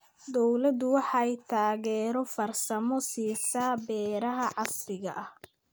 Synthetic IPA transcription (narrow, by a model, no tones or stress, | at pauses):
d̪ɔwlɐd̪ʊwɑħɑjt̪ʰaːɣɛːɾɔfɐrsɐmɔsiːsaːbɛːɾɐɦɐʕɑslɪɣɐ̰ʔɐh